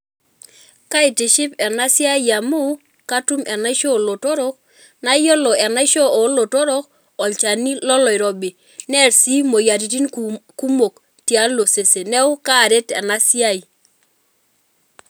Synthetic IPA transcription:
ka˦ɪ˨tɪ˨ʃɪ˦pɛ˨na˦sja˦i˨ja˨mu˦ | ka˦tu˦mɛ˨na˦ɪ˦ʃo˦˨lo˨to˦ɾo˦k̚ | na˦jo˦lɔ˨ɛ˨na˦ɪ˦ʃo˦o˨˦lo˨to˦ɾo˦k̚ | ɔ˨lt͡ʃa˨ni˦lɔ˦lɔ˨ɪ˨ɾɔ˨bɪ˨ | nɛ˦˨ɾsi˦mo˨ja˨ɾi˨ti˦nku˦mo˨k | tja˦lo˨se˨se˨nɛ˦ʊ˦ka˦˨ɾe˦tɛ˨na˦si˦a˦i˨

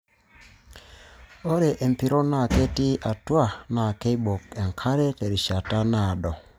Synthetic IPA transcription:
o˦ɾe˨ʔe˨m˨pi˨˦ɾo˦na˦˨ke˦ti˦ʔa˨twa˦˨na˨ke˦bo˨kɛ˨ŋkʰa˦ɾe˦te˨ɾi˨ʃa˨ta˦na˦˨dɔ˨

